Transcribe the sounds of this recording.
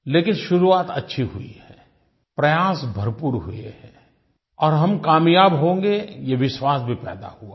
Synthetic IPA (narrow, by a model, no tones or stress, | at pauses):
leːkɪnʃʊɾuaːt̪ɐtːʃʰiɦuḭhɛ | pɾɐjaːsbʱɐɾpuːɾɦṵḛhɛ | ɔːɾɦɐmkaːmjaːbɦõːŋɡejeʋɪʃwaːsbʱipɛ̰ːd̪a̰huaː